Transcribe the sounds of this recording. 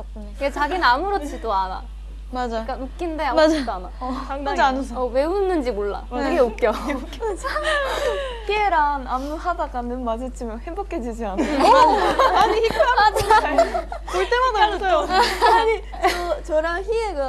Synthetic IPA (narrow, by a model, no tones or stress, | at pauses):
akɯɡet͡ɕaɡinnamuɾot͡ɕʰidoana̰ | mad͡ʑak͈anuk̚k͈indeamad͡ʑaanaaŋad͡ʑianɯsʰʌwe̞unːɯnd͡ʑimoɭːa̰ɯɡeok͈jʌk | pʰieɾanamːuɦadaɡanɯnmad͡ʑʰit͡ɕ͈ʰimjʌnhebokʰed͡ʑid͡ʑianɯ | aɲiçikʰɯanad | t͡ɕoɭt͈emananɯsʰʌjoaɲi | ot͡ɕʌɾançieɡa